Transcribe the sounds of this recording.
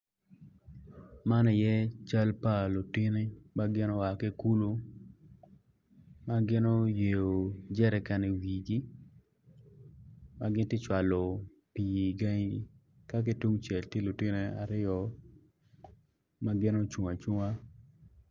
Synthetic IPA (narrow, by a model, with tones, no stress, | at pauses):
ma˦nɛ˨jɛ˦t͡ʃa˦lpa˦lo˨tɪ˦nɪ˦ma˦ɡɪ˦no˦wa˨ke˦ku˦lu˦ | ma˦ɡɪ˦no˦je˨o˨d͡ʒɛ˦ɾɛ˨ka˨ne˨wi˨ɡi˦ | ma˦ɡɪ˦ntɪ˦t͡ʃwa˨lo˨ | pi˨i˨ɡa˦ŋii˦ | ka˦k̬e˦tu˦ŋt͡ʃɛ˨lte˦lu˨tɪ˦ne˦a̰˨ɾɪ˦ɔ˨ | ma˦ɡɪ˦no˦t͡ʃu˨ŋa˨t͡ʃu˦ŋa˦